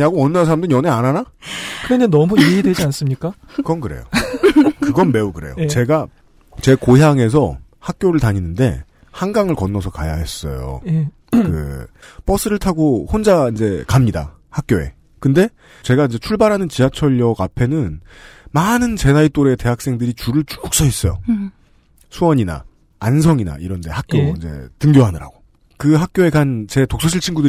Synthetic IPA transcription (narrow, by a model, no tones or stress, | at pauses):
aɡowʌnːansʰaɾamdɯɲjʌne̞ananakɯɾenenʌmuiidwed͡ʑians͈ɯmɲik͈a | kɯɡʌnkɯɾḛjo̰ | kɯɡʌnme̞ukɯɾe̞jo̰t͡ɕe̞ɡa | t͡ɕe̞koɦjaŋe̞s̬ʰʌ | hak̚k͈joɾɯɭtaɲinɯnde̞̰ | haŋɡaŋɯɭkʌnːʌsʰʌka̰ja̰ɦe̞s͈ʌ̰jo̰ | kɯ̰p͈ʌs͈ɯɾɯɭtʰaɡohond͡ʑaind͡ʑe̞kamɲida̰ | hak̚k͈joe̞̰ | kɯnde̞ | t͡ɕe̞ɡaind͡ʑe̞t͡ɕʰuɭbaɾɦanɯnt͡ɕiɦat͡ɕʰʌʎjʌɡapʰe̞nɯnmanɯnt͡ɕe̞nait͈oɾe̞te̞ɦak̚s͈e̞ŋdɯɾit͡ɕuɾɯɭt͡ɕu̥uk̚s͈ʌɦes͈ʌjo̰ | sʰuwʌɲina̰ː | nsʰʌŋina̰iɾʌndehak͈̚joind͡ʑe̞̰tɯŋɡjoɦanɯɾa̰ɡo | kɯɦak̚k͈joe̞ɡant͡ɕe̞tok̚s͈ʰʌɕʰiɭt͡ɕʰinɡudɯ